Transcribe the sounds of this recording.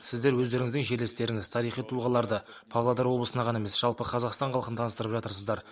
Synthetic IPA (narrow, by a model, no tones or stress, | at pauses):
sɪzd̪e̞ɾwɵzd̪e̞ɾɪŋɪzd̪ɪŋʒe̞ɾlest̪e̞ɾɪŋɪz̥t̪ʰɑɾijχijt̪ʰuʁɑlˠɑɾd̪ə | pʰɑvlˠad̪ɑɾwo̞bləsənɑʁɑnaemesʒ̥ɑlˠpəqʰɑzɑqst̪ɑɴqʰɑlˠqənət̪ʰɑnəst̪əɾəpʒɑt̪əɾsəzd̪ɑɾ